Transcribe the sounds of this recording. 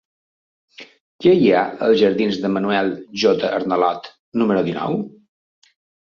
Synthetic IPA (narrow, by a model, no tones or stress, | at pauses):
kɛjaə̰lˠzʒəɾðinzðəmənuɛlˠʒɔt̪əʔəɾnəlɔt̪ | numəɾuðinɔ̰w